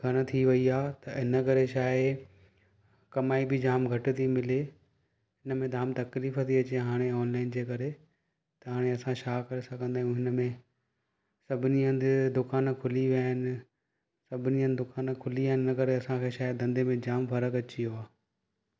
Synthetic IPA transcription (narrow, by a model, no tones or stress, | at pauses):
ɡʱɐɽ̃ə̆t̪ʰiʋɐiaːt̪ɐɪnə̆kɐɾeʃaːɪ | kɐmaːibʱɪd͡ʑaːmɡʱɐʈɪ̆t̪ʰimɪle | ɦɪnə̆mẽd̪ʱaːmt̪ɐkliːfət̪ʰiɐt͡ɕeɦaːɽ̃eɔːnlaːɪnd͡ʑeːkɐɾe | t̪ɐɦaːɽ̃eɐsãʃaːkɐɾesɐɡʱə̃nd̪aːjũɦɪnə̆mẽ | sɐbʱɪniə̃nd̪d̪ʊkaːnkʰʊliʋaːɦɪnɪ̆ | sɐbʱɪniə̃nd̪ʊkaːnkʰʊliaːɦɪnɪɪnəkɐɾeɐsãkʰeːʃaːɪd̪ɐ̃nd̪emẽd͡ʑaːmfɐɾəkɐt͡ɕioaː